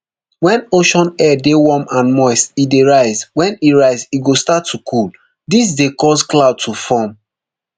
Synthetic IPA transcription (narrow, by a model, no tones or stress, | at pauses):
wɛ̃noʃɔ̃nɛdewɔmãnmɔɪstideɹaɪzwɛ̃niɹaɪziɡostatʰːukʰul | dis̬dekɔzklaʊd̚tʰufɔm